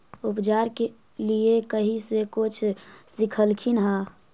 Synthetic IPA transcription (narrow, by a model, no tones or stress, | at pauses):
upd͡ʒaɾke | liekəɦisekot͡ʃʰsikʰəlkʰinɦa